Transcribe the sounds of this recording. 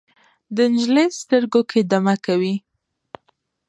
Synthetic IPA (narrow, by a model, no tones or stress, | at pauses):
d̪ənɪʒləjst̪əɾɡokʰed̪amakawi